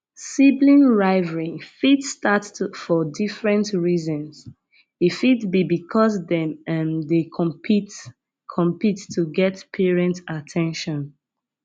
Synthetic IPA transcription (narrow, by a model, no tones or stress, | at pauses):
siblĩnɹaɪvɹĩfitstatfɔdifɹɛ̃ntɹizɔ̃ns | ifitbibikʰɔsdɛ̃mɛ̃mdekʰɔ̃pʰit | kʰɔ̃mpitːʰuɡɛtpʰɛɹɛ̃ntatʰɛ̃nʃɔ̃n